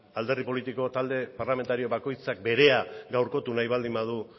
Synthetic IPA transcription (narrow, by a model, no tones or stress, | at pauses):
ald̪e̞ripo̞lit̪iko̞t̪ald̪e̞parlame̞nt̪aɾio̞βako̞jt͡sak̚be̞ɾe̞aɡawɾko̞t̪unajβald̪imbað̞u